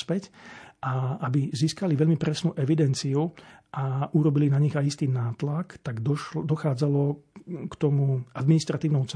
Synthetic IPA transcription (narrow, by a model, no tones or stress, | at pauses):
spɛcʔaabiziːskaliʋɛlʎmipɾɛsnuʔɛʋid̪ɛnt͡siuʔauɾɔbilinaɲiɣajist̪iːnaːt̪lakt̪aɡ̪ɔd̪ɔxaːd͡zalɔkt̪ɔmuad̪minist̪ɾat̪iːʊnɔʊt͡s